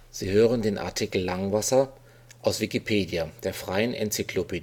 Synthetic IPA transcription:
z̥iːhøːʁəndeːnʔa̰ɐtʰikl̩laŋvasɐ | ʔaʊsv̥ikipʰeːdjad̥eːɐfʁ̥aɪənʔɛ̰nt͡sikʰloped

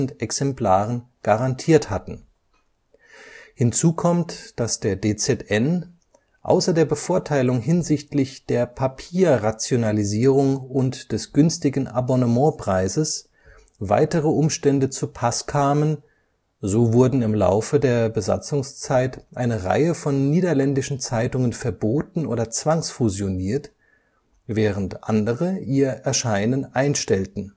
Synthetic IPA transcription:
n̩tɛksɛmpl̥aːʁən | ɡ̥aʁantʰiːɐthatn̩ | hɪnt͡suːkʰɔmtd̥asd̥eːɐdeːt͡sɛtɛn | ʔa̰ʊsɐdeːɐbəfoːɐtʰaɪlʊŋɦɪnzɪçtlɪçd̥eːɐpʰapʰiːɐʁat͡sjonaliziːʁ̞ʊŋʊntd̥ɛsɡ̥ʏnstɪɡn̩ʔa̰bɔnəmɑ̃pʁ̥aɪzəs | va̰ɪtəʁəʔʊmʃtɛndət͡supʰaskʰaːmən | zoːvʊɐdn̩ɪmla̰ʊfədeːɐbəza̰t͡sʊŋst͡saɪtʔa̰ɪnəʁa̰ɪəfɔnːiːdɐlɛndɪʃn̩t͡saɪtʊŋənfɛɐboːtn̩ʔo̰ːdɐt͡sv̥aŋsfuzjoniːɐt | vɛːʁ̞əntʔa̰ndəʁəʔiːɐʔɛɐʃaɪnənʔaɪnʃtɛltn̩

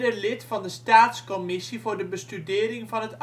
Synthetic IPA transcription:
dəlɪtfɑndəstaːtskomɪsivʊːɹdəbəstydɪːɾɪŋvɑnɦət

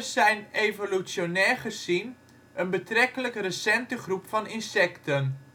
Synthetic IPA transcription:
sɛjnejvolysjonɛːɹχəsin | ənbətrɛkələkrəsɛntəχrupfɑnɪnsɛktən

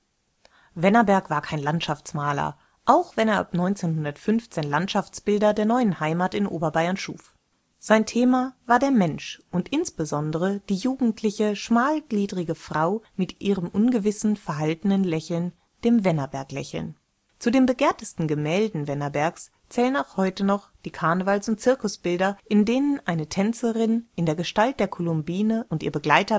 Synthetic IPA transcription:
vɛnɐbɛɐkv̥aːɐkʰaɪnlantʃaft͡smaːlɐ̰ | ʔaʊxv̥ɛneːɐʔa̰pnɔʏnt͡seːnhʊndɐtfʏnft͡seːnlantʃaft͡sb̥ɪldɐdeːɐnɔʏənhaɪmaːtɪnʔoːbɐbaɪɐnʃṵːf | z̥aɪntʰeːmavaːɐdeːɐmɛnʃʔʊntʔɪnsb̥əzɔndəʁəd̥iːjuːɡŋ̩tʰlɪçəʃmaːlɡliːdʁɪɡəfʁ̥aʊmɪtʔiːʁəmʔʊnɡəvɪsn̩fɛɐɦaltn̩ənlɛçl̩n | d̥eːmvɛnɐbɛɐklɛçl̩n | t͡sudeːmbəɡeːɐtəstn̩ɡəmɛːldn̩vɛnɐbɛɐks | t͡sɛːlənaʊxhɔʏtənɔχd̥iːkʰaɐnəvalsʊnt̚t͡sɪɐkʊsb̥ɪldɐʔɪndeːnənʔaɪnətʰɛnt͡səʁɪnʔɪndeːɐɡəʃtalt̚d̥eːɐkʰɔlʊmbiːnəʔʊntʔiːɐbəɡlaɪtɐ

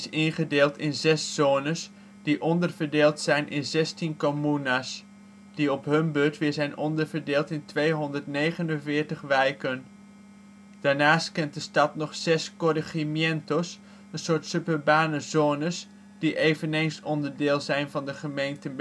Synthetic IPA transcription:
sɪnχədeːlˠtɪnzɛsːoːnəs | d̥iʔɔndəɹvəɹdeːlˠtsɛjnʔɪ̰nzɛstinkomunas | d̥iɔpɦɵnbøɹtʋɪːɹzɛjnʔɔndəɹvəɹdeːlˠtɪntʋejɦɔndəɹtnejχənənvɪːɹtəχʋɛjkən | d̥aːɹnaːstkɛnt̚dəstɑtnɔχsɛskɔrəχimjɛntos | ənsʊːɹtsøpəbaːnəzoːnəs | d̥iʔejvənejnsɔndəɹdɪːlˠzɛjnvɑndəχəmejntə

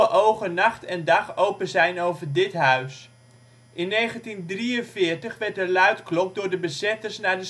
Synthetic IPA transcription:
əʔowχənɑχtɛndɑχowpəzɛjnowvəɹdɪtɦœɥs | ʔɪnːejχəntindriənfɪːɹtəχʋɛɹt̚əlœɥtklɔk̚dʊːɹdəbəzɛtərsnaːdə

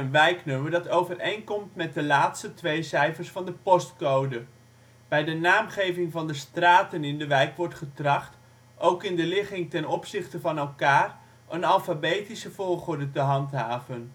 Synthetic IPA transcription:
ənʋɛjknøməɹdɑtowvərejnkɔmtmɛt̚dəlaːtstətʋejsɛjfəɹsfɑndəpɔstkowdə | b̥ɛjdənaːmχejvɪŋvɑndəstraːtənɪndəʋɛjkʋɔɹtχətrɑχt | owkɪndəlɪχɪŋtɛnɔpsɪχtəvɑnɛlˠkaːr | ənɑlˠfabejtisəvʊːɹχʊɹdətəɦɑntɦaːvən

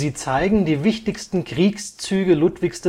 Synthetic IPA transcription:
ziːt͡saɪɡŋ̩diːvɪçtɪçstn̩kʁ̥iːkst͡syːɡəlutv̥ɪçsd̥ɛ

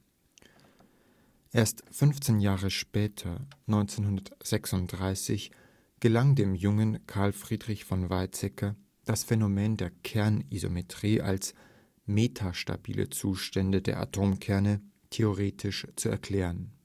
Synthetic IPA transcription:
ʔeːɐstfʏnft͡seːnjaːʁəʃpɛːtʰɐnɔʏnt͡seːnhʊndɐtz̥ɛksʊnt̚d̥ʁaɪsɪ̰ç | ɡ̥əlaŋdeːmjʊŋənkʰaɐlfʁ̥iːdʁɪçfɔnvaɪt͡sɛkʰɐ | d̥asfɛnomeːndeːɐkʰɛɐnizo̰metʁ̥iːʔa̰ls | meːtʰaʃta̰bḭːlʔə̰t͡suːʃtɛndədḛːɐʔa̰tʰoːmkʰɛɐnə | tʰeoʁeːtʰɪʃt͡suɛ̰ɐkʰl̥ɛːʁən

